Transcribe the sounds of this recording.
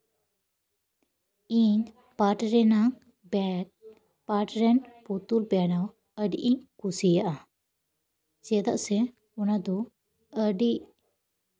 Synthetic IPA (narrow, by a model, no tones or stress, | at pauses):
iɲ | paʈɾɛnaŋ | bɛ | paʈɾɛnput̪ulbɛnaw | əɖiʔiŋkusijaʔa | t͡ʃɛd̪aʔsɛ | unad̪u | əɖiʔ